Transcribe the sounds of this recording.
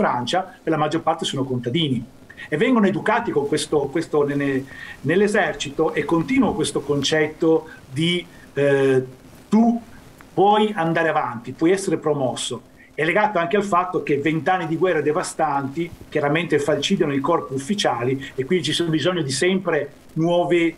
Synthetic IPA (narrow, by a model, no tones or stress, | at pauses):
fɾant͡ʃaperlamad͡ʒːorpart̪esoːnokont̪ad̪iːni | evːɛŋɡonoed̪ukaːt̪ikoŋkwest̪okwest̪onenelːezɛrt͡ʃit̪oʔekːont̪iːnuokwest̪okont͡ʃɛt̪ːod̪i | t̪u | pwɔjand̪aːɾeavant̪ipwɔjɛsːeɾepɾomɔsːo | ɛlːeɡaːt̪oaŋkealfat̪ːok̟evːent̪anːid̪iɡwɛrːed̪evast̪ant̪ik̟jaɾament̪efalt͡ʃiːd̪janoikɔrpiufːit͡ʃaːliekːwind̪it͡ʃisonobizɔɲːod̪isɛmpɾe | nwɔːve